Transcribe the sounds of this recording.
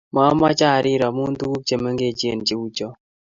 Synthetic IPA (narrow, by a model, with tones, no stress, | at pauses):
ma˦ma˦t͡ʃa˦˨ɾɪ˦ɾa˨mu˦nt̪u˦ku˦k̚t͡ʃe˨me˦ŋɡe˦˨t͡ʃe˦˨nt͡ʃi˨˦u˦t͡ʃɔ˦